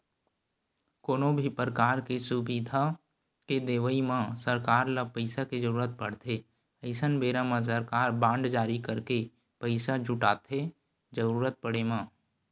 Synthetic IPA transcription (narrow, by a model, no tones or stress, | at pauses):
koːnõbʱipɾəkaːɾkesʊbid̪ʱa | ked̪eːʋəimãsəɾkaːɾlapəɪsaked͡ʒəɾuːɾət̪̚pəɽ̤t̪ʰe | əɪsənbeːɾamãs̬əɾkaːɾbãːɳɖd͡ʒaːɾikəɾke | pəɪsad͡ʒʱʊʈaːt̪ʰe | d͡ʒəɾuːɾət̪̚pəɽemãː